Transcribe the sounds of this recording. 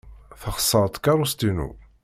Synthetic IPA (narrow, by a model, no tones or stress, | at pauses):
θəχə̥sˤːəɾˤət̪ˤkɑɾˤust̪inṵ